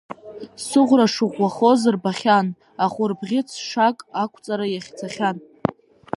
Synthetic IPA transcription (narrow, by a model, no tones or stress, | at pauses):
sɨʁʷraʂɨʁʷaχo̞zɨrbaχʲan | aχʷʊrbʁʲɪt͡sʰʂakʼakʷʰt͡sʼaɾajaχʲt͡sʰaχʲan